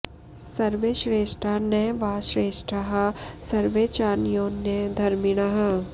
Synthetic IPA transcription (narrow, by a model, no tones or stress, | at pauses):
sɐɾʋeʃɾeːʃʈɾaneʋaːʃɾeːʃʈɾaɦasɐɾʋeːt͡ʃaːnijõːnẽd̪ʱɐɾmɪɽ̃aɦɐ